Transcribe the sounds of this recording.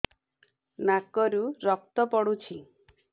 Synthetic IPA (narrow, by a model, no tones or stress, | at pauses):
nakɔɾuɾɔk̚t̪ɔpɔɽut͡ʃʰi